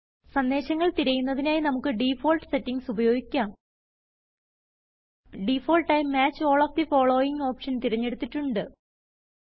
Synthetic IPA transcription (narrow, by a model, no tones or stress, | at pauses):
sɐnd̪e̞ːɕɐŋːɐɭt̪iɾɐjunːɐðinaːjinɐmukːɨɖifo̞ːlʈɨ̥se̞tːiŋsubɐjo̞ːɡikʲːaːm | ɖifo̞ːlʈajmaːt͡ɕːo̞ːɭoːfd̪ifo̞ːɭo̞ːjiŋo̞ːpʂɐnt̪iɾɐɲːe̞ɽut̪ːitːuɳɖɨ